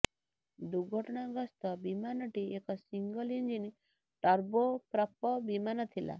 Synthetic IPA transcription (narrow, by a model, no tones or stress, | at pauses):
d̪uɡʱɔʈɔɽ̃aɡɔst̪ɔbimanɔʈiekɔsiŋɡɔlind͡ʒini | ʈɔɾbopɾɔpːɔbimanɔt̪ʰila̰